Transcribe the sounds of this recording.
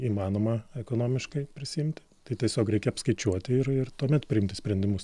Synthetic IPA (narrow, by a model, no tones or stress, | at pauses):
iːmɑːnoːmɐɛkoːnoːmʲɪʃkɐɪpʲɾʲɪsʲɪɪmʲt̪ʲɪ̥t̪ɐɪt̪ʲiɛsʲoːkɾʲɛɪkʲɛɐpskɐɪt͡ʃʲuɔt̪ʲɪɪrɪrt̪uɔmʲɛt̪pʲɾʲɪɪmt̪ʲɪsʲpʲɾʲɛnʲd̪ʲɪmʊs